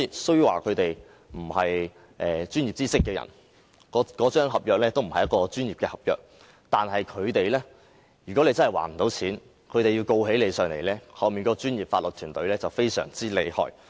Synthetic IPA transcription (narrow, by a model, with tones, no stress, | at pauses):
i˨˧sɵ˥ɥjwaː˨˩kʰɵ˨˧t̪e˨j | m̩˨˩hɐ˨j | ʔɛː˨t͡ʃyː˥nji˨p̚t͡siː˥sɪ˥kːɛː˧jɐ̰˨˩n | kɔ˨˥kɔː˨˥t͡ʃœː˥ŋɦɐ˨p̚jœː˨k̚lɛː˥t̪o˥wm̩˨˩hɐ˨jɐ˥t̚kɔː˧t͡ʃyː˥njiː˨p̚kɛː˧hɐ˨p̚jœː˨k̚ | t̪aː˨nɦɐ˨jkʰɵ˨˧ɥt̪e˨jlɛː˥ | jyː˨˩kɔ˨˥le˧t͡sɐ˥nhɐ˨˩wa̰ː˨˩nm̩˨˩t̪o˨˥wt͡sʰiː˨˥n | kʰɵ˨˧ɥt̪e˨ji˧wko˧whe˨˥jle˨˧jsœː˨ŋle˨˩jlɛː˥hɐ˨wmiː˨nŋkɔː˧˥˧t͡ʃyː˥njiː˨p̚faː˧tlɵ˨t̚t̪ʰyː˨˩nt̪ɵ˨˧ɥlɛː˥t͡sɐ˨wfe˥jsœ̰ː˨˩ŋt͡siː˥le˨˧jhɔ̰ː˨˧j